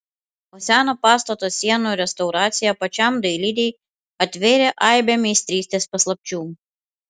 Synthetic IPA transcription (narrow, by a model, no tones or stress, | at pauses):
oːsʲæːnopɑːst̪ɐt̪osʲiɛnuɾʲɛst̪ɐʊɾɑːt̪sʲɪjɛpɐt͡ʃʲɑmd̪ɐɪlʲid̪ʲɛj | ɐt̪ʲʋʲɪɾʲeʔɑɪbʲɛmʲɛɪsʲt̪ʲɾʲiːsʲt̪ʲeːspɐslˠɐp̚ʲt͡ʃʲuː